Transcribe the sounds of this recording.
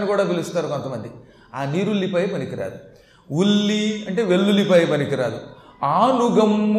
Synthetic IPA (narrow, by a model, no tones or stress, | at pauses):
nːikuːɽaːpilust̪aːɾuko̞nt̪ɐmɐnd̪i | aːniːɾulːipɐjpɐnikiɾa̰ːd̪u | ulːiɐɳʈe̞ːʋe̞lːulːipɐjipɐnikiɾaːd̪u | aːnuɡɐmː